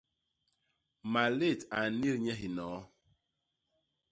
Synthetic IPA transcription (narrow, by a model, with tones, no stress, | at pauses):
ma˨le˦˨ta˨ni˦ɾɲɛ˦ɦi˨nɔ˨˦